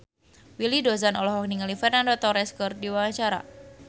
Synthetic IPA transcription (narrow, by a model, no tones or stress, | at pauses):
wilidozanɔlɔɦɔk̚niŋalifɛrnandot̪ɔɾɛskɔrdiwawaɲt͡ʃaɾa̰